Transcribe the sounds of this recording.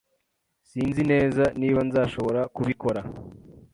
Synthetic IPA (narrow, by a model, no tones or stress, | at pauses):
siːnzine̞ːzaniːβanzaːʃo̞βo̞ɾakuβiko̞ɾa